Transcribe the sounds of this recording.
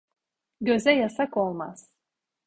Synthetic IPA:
ɟø̞zɛjasako̞lˠmaz̥

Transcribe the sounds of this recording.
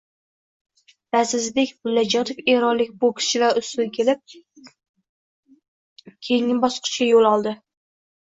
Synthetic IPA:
dasɪzd̪ekʲbʊlːad͡ʒɒt̪ʰefeɾɒnlɪk̚ʲbʊkʲʰɪ̥ʃɪlaɾʊsʊlkʲʰelɪp̚ | kʲʰejŋːɪbɒsqʰɨ̥ʃkʲajolˠɒlˠd̪ɪ

